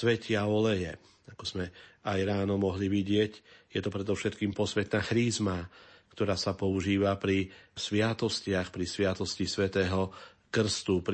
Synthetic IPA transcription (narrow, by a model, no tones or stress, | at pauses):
sʋɛcɪaɔlɛjɛ | akɔz̥mɛajɾaːnɔmɔɦliʋiɟɪɛcjɛt̪ɔpɾɛd̪ɔfʃɛt̪kiːmpɔsʋɛt̪naxɾiːzmakt̪ɔɾaːsapɔuʒiːʋapɾisʋɪat̪ɔscɪaxpɾisʋɪat̪ɔscisʋɛt̪ɛːɦɔ | kr̩st̪up